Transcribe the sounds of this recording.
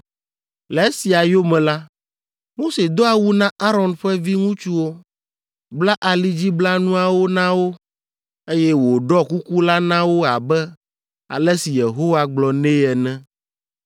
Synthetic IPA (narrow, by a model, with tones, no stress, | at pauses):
lɛ˨e˦si˨a˨jo˦mɛ̃˨la˦ | mo˦se˨d̪o˦a˨wu˦nã˦ʔa˦ɾɔ˨nɸɛ˦vi˦ŋũ˦t͡ʃu˦wo˦ | bla˦ʔa˨li˦d͡ʑi˦bla˦nũ˦a˨wo˦nã˦wo˦ | e˦jɛ˦wo˨ɖɔ˦ku˦ku˦la˦nã˦wo˦a̰˨bɛ˦ | a̰˨lɛ˦si˨je˨ɦo˦wa˦ɡ͡blɔ˨nẽ˦ɛ˨nɛ̃˦